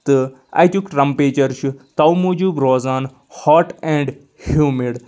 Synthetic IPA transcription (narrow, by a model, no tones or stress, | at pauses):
t̪ɨ | a̰jt̪ukʈɾɐmpeːt͡ʃɐɾʃut̪ɐwmuːd͡ʒuːbɾoːzaːn | hɔːʈɛ̃ːɳɖ | hjuːmiɽ